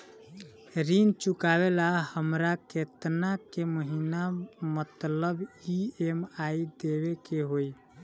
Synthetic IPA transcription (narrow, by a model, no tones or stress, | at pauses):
ɾint͡ʃukabelahəmɾaket̪nakeməɦinamət̪ləbiemaid̪ebekeɦoi